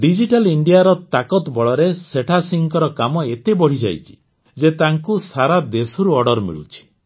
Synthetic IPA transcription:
ɖid͡ʒiʈaliɳɖijaɾɔt̪akɔt̪bɔɭɔɾeseʈʰasiŋkɔɾɔkamɔet̪ebɔɽ̤id͡ʒa̰jt͡ʃʰi̥ | d͡ʒet̪aŋkusaɾad̪esɔɾuɔɖɔɾmḭɭṵt͡ʃʰi̥

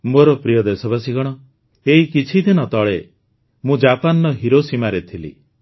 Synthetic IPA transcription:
moɾɔpɾijɔd̪esɔbas̬iɡɔɽ̃ɔ | eɦikit͡ʃʰid̪inɔt̪ɔɭe | mũd͡ʒapanɾɔɦiɾosimaɾet̪ʰilḭ

